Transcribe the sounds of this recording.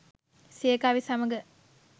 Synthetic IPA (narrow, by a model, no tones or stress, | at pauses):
seːkaːʋisaməɡə